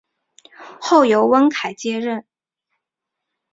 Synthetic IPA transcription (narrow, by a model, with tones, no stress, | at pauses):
xo˥˩ʊjo˧˥ʊwə˥nkʰa˨˩ɪt͡ɕjɛ˥ɻə˥˩n